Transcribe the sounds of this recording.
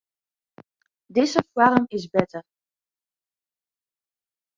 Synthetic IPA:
dɪzəfwaɾəmɪzbɛtər

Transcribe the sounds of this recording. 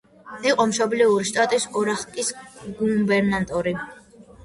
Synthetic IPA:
iqʼɔmʃɔbliuɾiʃt̪ʼat̪ʼisɔɾaχk̪ʼisɡumbɛɾnat̪ʼɔɾi

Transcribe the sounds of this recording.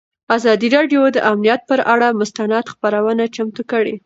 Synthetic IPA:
azɑd̪iɾɑɖjod̪əʔamnijat̪̚pəɾʔaɽamʊst̪anɑt̪xpaɾawənat͡ʃamt̪ukəɽe

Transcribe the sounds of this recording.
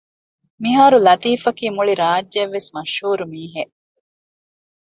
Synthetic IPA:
miɦaːɾulɐt̪iːfɐkiːmuɭiɾaːd͡ʒːɐʋːesmɐʃhuːɾumiːɦeʔ

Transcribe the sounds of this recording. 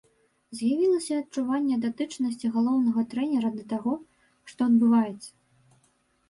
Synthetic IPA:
zʲjavʲilˠɐsʲɐɐtt͡ʂuvanʲːɛd̪at̪ɨt͡ʂnɐsʲt͡sʲiɣalˠɔwnɐɣɐt̪ɾɛnʲɛɾɐd̪ɐt̪aɣɔ | ʂt̪ɔɐd̪̚bɨvajɛt̪sːɐ̥

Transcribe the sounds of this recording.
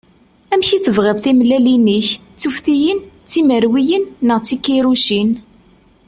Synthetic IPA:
æmçiθəvʁɪðˤθimlæliniçt͡sːufθijənt͡sːiməɾwijənːəʁt͡sːikːiɾuʃin

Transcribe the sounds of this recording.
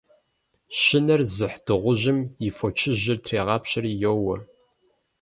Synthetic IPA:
ʃɪnɐrzɨħd̥ɨʁʷʊʑɪmjifot͡ʃʰɪʑɪrtʰreːʁɑːpɕɪrijowɐr

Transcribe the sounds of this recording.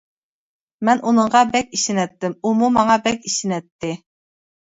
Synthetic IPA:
mɛnunɨɴʁɑbɛkʲiʃinɛt̪ːɪmumumɑŋɑbɛkʲiʃɪnɛt̪ʰːɪ

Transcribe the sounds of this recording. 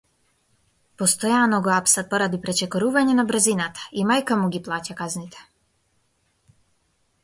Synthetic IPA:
pɔst̪ɔjanɔɡɔapsat̪̚pɔɾad̪ipɾɛt͡ʃɛkɔɾuvaɲɛnabr̩zinat̪ḁimajkamuɡiplˠacakaznit̪ɛ̥

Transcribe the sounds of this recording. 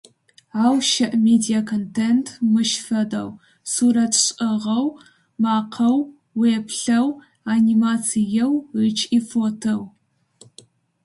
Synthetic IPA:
aːwʃɐʔmedijakʰontʰentʰmɨʃfɐdɐ̰w | suːɾɐtʰɕʼɐʁɐw | maːqʰɐw | weːpʰɬɐw | animat͡sʰijɛwrit͡ʃʰʼifotʰow

